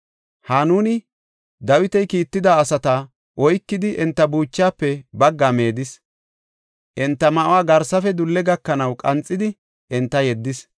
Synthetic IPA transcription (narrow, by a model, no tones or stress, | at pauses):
hanuːnɪ | d̪ɐwɪt̪ɛjkiːt̪ːɪd̪aːsɐt̪ɐ | ʔɔjkːɪd̪ɪʔɛnt̪ːɐbuːt͡ʃːaːpːɛbɐɡːame̞ːd̪ɪs | ʔɛnt̪ːɐmɐʔʊwaːɡɐɾsɐfɛd̪ʊlːɛɡɐkːɐnɐwkʼɐnt͡sʼːɪd̪ɪ | ʔɛnt̪ːɐjɛd̪ːɪs